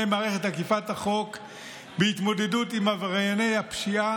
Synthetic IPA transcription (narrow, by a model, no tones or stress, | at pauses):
ejmaːʁeχethakifat̪haχo̞k | beit̪mo̞de̞dut̪imhavʁajane̞jhapʃia